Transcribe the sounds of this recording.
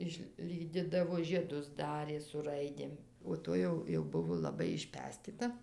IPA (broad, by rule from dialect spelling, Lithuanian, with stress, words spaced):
ɪʃʲˈlʲiːdʲɪdɐʋoː ʒʲiɛˈdʊs ˈdɑːrʲeː sʊ ˈrɐɪdʲeːm oː ˈtoːj jɛʊ jɛʊ ˈbʊʋoː lˠɐˈbɐɪ ɪʃʲˈpʲæːsʲtʲɪtɐ